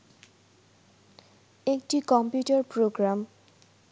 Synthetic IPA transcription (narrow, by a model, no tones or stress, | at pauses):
ek̚ʈikɔmpjuʈaɾpɾoɡɾam